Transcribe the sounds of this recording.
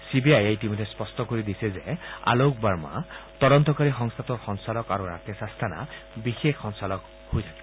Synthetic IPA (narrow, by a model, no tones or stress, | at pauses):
sibiajaitimodʱːɛspɔstɔkoɹidisɛzɛa̰lok̚baɹma̰tɔdɔntɔkaɹixɔŋst̪ʰatɔɹxɔŋsalɔkaɹuɹa̰tʰɔsastʰana̰bixexːɔŋsalɔk | hojtʰakɛbɔ